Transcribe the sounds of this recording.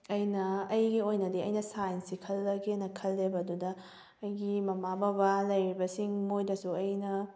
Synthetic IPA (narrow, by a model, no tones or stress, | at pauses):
ɐjnɐɐjɡiojnɐdiɐjnɐsajnsikʰɐlːɐɡenɐkʰɐlːebɐdudɐ | ɐjɡimɐmababalɐjɾibɐsiŋmojdɐsuɐjnɐ